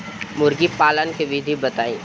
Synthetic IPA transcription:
mʊɾɡipaːlənkeʋɪd̪ʱibɐt̪aːḭ̃ː

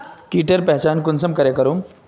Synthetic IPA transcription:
kiːʈəɾpɛɦt͡ʃaːnkʊnsɐmkɐɾekɐɾoːm

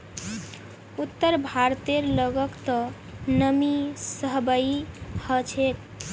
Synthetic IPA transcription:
ut̪ːəɾbʱaɾt̪eɾləɡəkt̪ɔ | nəmisəɦbəjihət͡ʃʰet̪

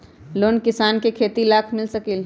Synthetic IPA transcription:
loːnkɪsaːnkekʰeːt̪ilaːkʰmɪlsɐkiːl

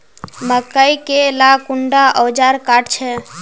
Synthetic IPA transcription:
məkəjkelakuɳɖaʔɔd͡ʒaɾkaʈt͡ʃʰɛ

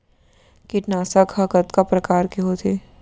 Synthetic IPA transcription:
kɪʈnaːsakhɐkət̪kapɾɐkaːɾkiɦoːt̪ʰiː

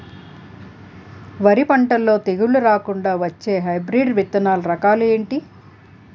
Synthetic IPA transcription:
ʋɐɾipɐɳʈɐlːo̞ːt̪eɡuɭuɾaːkuɳɖaːʋɐt͡ʃːe̞ːɦɐjbɾiːɖʋit̪ːɐnaːlɐɾɐkaːlue̞ːɳʈi

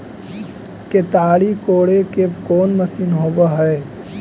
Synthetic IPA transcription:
ket̪aːɽikoːɽekekoːnməsinɦoːbəɦəe

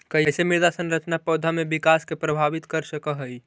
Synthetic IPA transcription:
kəsemiɾd̪asənɾət͡ʃnapəd̪ʱamebikaskepɾəbʱaʋit̪kəɾsəkəɦəi

